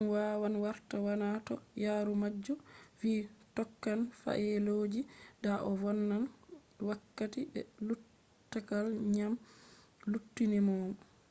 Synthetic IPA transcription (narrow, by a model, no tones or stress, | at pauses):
nwawanwaɾtawanatɔjaːɾumad͡ʒːɔfitɔkːanfa̰ʔɛloːd͡ʒidaʔɔvɔnːan | wakːatibɛ̰lu | tːakalɲam | lutːinɛmɔːmɔ